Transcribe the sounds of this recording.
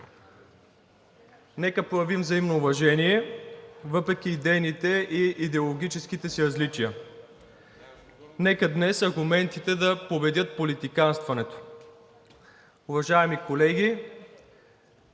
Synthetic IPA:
nɛkəpɾojɐvimvzɐimnoːvɐʒɛniɛ | vɤpɾɛk̟ʲiːd̪ɛjnit̪ɛʔiid̪ɛolˠoɡʲit͡ʃɛskit̪ɛsiɾɐzlit͡ʃijə | nɛkəd̪nɛsɐɾɡʊmɛnt̪it̪ɛd̪ɐpobɛd̪ʲjɤt̪̚polit̪ikanst̪vɐnɛt̪o̥ | ʊvɐʒaɛmikolɛɡʲi

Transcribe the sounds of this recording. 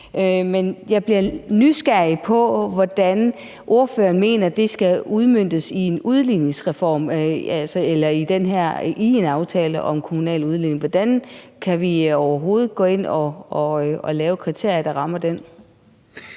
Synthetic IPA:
ʔømenjɑ̈ɪb̥liɐnysɡ̥æɐ̰ipʰɒ̽ʋɒd̥æn | ʔo̝ɐfø̰ːɐnme̝̰ːnɐd̥e̝sɡ̥æuð̞ˠmøn̰d̥əsie̝nuð̞ˠline̝ŋsʁɛfɒ̰ːmælsɐelɐid̥enɦæɐ̰ʔie̝nɑ̈ʊt͡sʰɛ̰ːləʔɒ̽mkʰo̝munɛ̰ːluð̞ˠline̝ŋʋɒd̥ænkʰæʋiɒʊɐɦo̝ːð̞̩ˠɡ̥ɔ̰̽ːe̝n̰ɒɒɒlɛːʊəkʰʁit͡sʰe̝ɐ̰jɐd̥ɑ̈ʁɑ̈mɐd̥en

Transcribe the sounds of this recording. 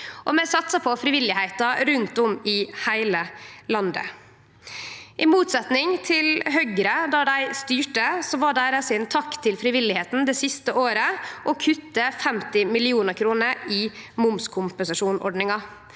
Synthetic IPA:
ʔɔmɛsɑt̪sɑpʰɔfɾɪʋɪlːɪhæɪt̪ɑɾʉnt̪ɔmɪhæɪləlɑnd̪ə̰ | ʔɪmuːt̪sɛt̪nɪŋt̪ʰɪlɦœʏɡɾəd̪ɑd̪æɪst̪yːʈəsɔʋɑːɖæɾɛsɪnt̪ʰɑkt̪ʰːɪlfɾɪʋɪlɪheːt̪n̩d̪eːsɪst̪əʔoːɾəʔɔkʰʉt̪ːəfɛmt̪ɪmɪlɪuːnəɾkʰɾuːnəɾɪmʊmskʰʊmpənsɑʂuːnʔɔ̰ɖɳɪŋɑ

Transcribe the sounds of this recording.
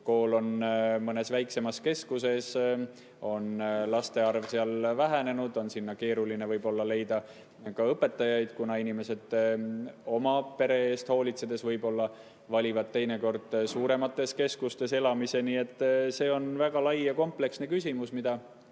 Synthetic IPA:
ko̞ːlo̞nmɤne̞svæjkse̞mɑske̞skuse̞s | o̞nlɑst̪e̞ɑrvseɑlvæɦæne̞nud̪̥o̞nsinːɑke̞ːɾuline̞vɤjb̥o̞lːɑle̞jd̪̥ɑ | kɑɤpːˑe̞t̪ːˑɑjɑjd̪̥kunɑinime̞se̞d̪̥ | o̞mɑpe̞ɾe̞eːst̪ho̞ːlit̪se̞d̪̥e̞svɤjbo̞lːɑ | vɑlʲivɑd̪̥̚t̪e̞jne̞ko̞rd̪̥suːɾe̞mɑt̪ːˑe̞ske̞skust̪e̞se̞lɑmise̞nie̞t̪ˑːse̞ːo̞nvæɡ̥ɑlɑjjɑko̞mple̞ksne̞kysʲimusmid̪̥ɑ

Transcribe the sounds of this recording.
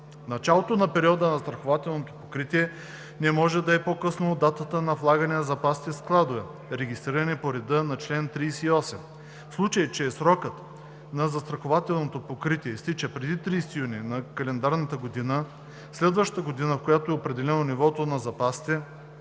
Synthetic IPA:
nɐt͡ʃalˠot̪onɐpɛɾiɔd̪ənɐst̪ɾɐxovat̪ɛlˠnot̪opokɾit̪iɛ | nɛmɔʒɛd̪ɐɛpokɤsnod̪at̪ət̪ənɐvlˠaɡɐnɛnɐzɐpasi̥t̪ɛsklˠad̪ovɛ | ɾɛɡʲist̪ɾiɾɐnɛpoɾɛd̪ɤnɐt͡ʃlɛnt̪ɾiːsɛiɔsɛm | slˠut͡ʃəjt͡ʃɛːsɾɔkət̪ | nɐzɐst̪ɾɐxovat̪ɛlˠnot̪opokɾit̪iɛist̪it͡ʃəpɾɛd̪it̪ɾiːsɛ̥t̪ijuninɐkɐlɛnd̪aɾnət̪əɡod̪inə | slɛd̪vɐʃt̪əɡod̪inəfkojat̪oɛopɾɛd̪ɛlɛnonivɔt̪onɐzɐpasi̥t̪ɛ

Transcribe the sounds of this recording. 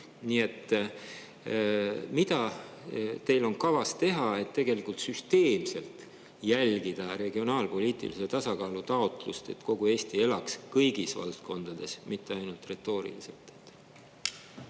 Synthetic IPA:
niːe̞t̪ːˑ | mid̪ɑ | t̪e̞jlo̞nkɑvɑst̪e̞ɦɑe̞t̪ːe̞ɡ̥e̞likult̪syst̪e̞ːmse̞lt̪ | jælɡ̥id̪̥ɑɾe̞ɡ̥io̞nɑːlpo̞lʲiːt̪ˑḭliset̪ɑsɑkɑːlut̪ɑo̞t̪ˑlust̪e̞̰t̪ko̞ɡ̥ueːst̪ie̞lɑkskɤjɡ̥isvɑ̰lt̪ko̞nd̪̥ɑd̪̥e̞smit̪ːe̞ɑjnult̪re̞t̪ːˑo̞ːɾḭlise̞̰lt̪ˑet̪ː

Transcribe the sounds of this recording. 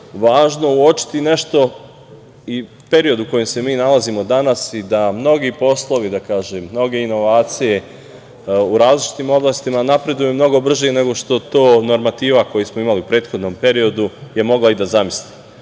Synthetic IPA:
ʋaːʒnouo̞t͡ʃi̥t̪ine̞ʃt̪o̞ | i | pe̞ɾio̞d̪uko̞jemse̞miːnalazimo̞d̪anasid̪amno̞ɡipo̞slˠo̞ʋid̪akaːʒemːno̞ɡe̞ino̞ʋaːt̪sije̞ | uɾaːzlit͡ʃi̥t̪iːmo̞blaːst̪imanapɾe̞d̪ujemno̞ɡo̞br̩ʒene̞ɡo̞ʃt̪o̞t̪o̞ːno̞ɾmat̪iːʋako̞jismo̞imaliupɾe̞ːt̪xo̞d̪no̞mpe̞ɾio̞d̪uje̞mo̞ɡlaid̪azamisli

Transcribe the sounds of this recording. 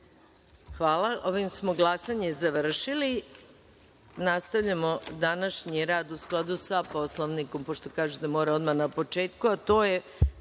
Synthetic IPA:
xʋaːlaʔoʋimsmo̞ɡlˠasaɲezaʋr̩ʃili | nast̪aʋʎamod̪anaʃɲiɾaːd̪usklˠad̪usapo̞slˠoʋniko̞mpoʃt̪o̞kaːʒed̪amoːɾao̞d̪manapo̞t͡ʃe̞ːt̪kuat̪o̞ːje

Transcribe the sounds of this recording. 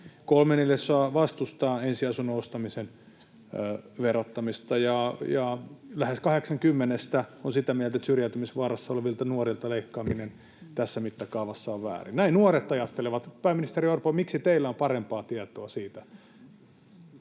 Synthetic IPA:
kolmenilːesːoɑʋɑst̪ust̪ɑːensiɑsunːoost̪ɑmisen | ʋerot̪ːɑmist̪ɑjɑjɑlæheskɑheksɑŋkymːenest̪æonsit̪æmiælt̪æet̪syrjæyt̪ymisʋɑːrɑsːɑoleʋilt̪ɑnuorilt̪ɑleikːɑːminen | t̪æsːæmit̪ːɑkɑuʋɑsːɑoʋʋæ̰ːrinnæinuoret̪ɑjɑt̪ːeleʋɑt̪pæimːinist̪eɾiorpomiksit̪eilːæompɑrempɑːt̪iɛt̪oɑsiːt̪æ

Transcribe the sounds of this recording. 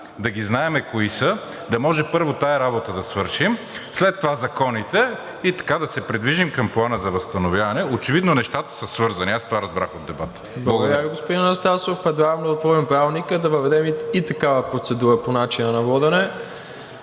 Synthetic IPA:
d̪ɐɡ̟iznaɛmɛkoisə | d̪ɐmɔʒɛpɤɾvot̪aɛɾabot̪əd̪ɐsvɤɾʃim | slɛt̪ːovazɐkɔnit̪ɛ | it̪ɐ̥kad̪ɐsɛpɾid̪viʒimkɐmplˠanəzɐvɐst̪ɐnovʲjavɐnɛot͡ʃɛvid̪nonɛʃt̪at̪ə̥səsvɤɾzɐniast̪ovaɾɐzbɾaxod̪ːɛbat̪ | blˠɐɡod̪ɾviɡospod̪innɐst̪asofpɾɛd̪ɾavnoot̪vɔɾimpɾavnikəd̪ɐvɐvɛd̪ɛmiit̪ɐkavəpɾot̪sɛd̪uɾəponat͡ʃinənɐvɔd̪ɛnɛ

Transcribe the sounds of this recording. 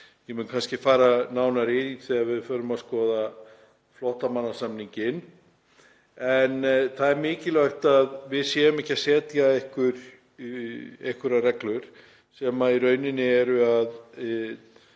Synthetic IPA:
jɛmʏnkʰanscɪfaːɾanaːwnaɾɪiθɛɣavɪðfœːɾʏmaðskɔːða | flɔht̪amanːasamniɲcɪn | ɛnθaðɛɾmɪːcɪlœɥht̪aðvɪðsjɛːʏmɛhcːasɛːt̪jaɛhkvʏɾ̥ | ehkʏɾarɛklʏɾ̥ | sɛːmaiɾœːɥnɪnːɪɛɾʏað

